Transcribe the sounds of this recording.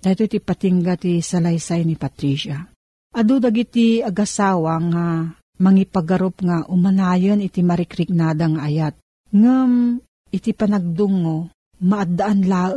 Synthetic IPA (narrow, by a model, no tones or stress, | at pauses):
d̪̥aːjt̪oit̪ipat̪iŋɡat̪isalajsajnipat̪ɾiʃa | ʔɐd̪ud̪aɡit̪iɐɡasaːwaŋa | mɐŋipaɡɐɾopŋaʔʊmanaːjənɪt̪imaɾɪkɾɪknad̪aŋaʔːjat̪̚ | ŋam | ɪt̪ipɐnaɡ̚d̪ʊŋːo | maʔad̪aʔanlaːʔ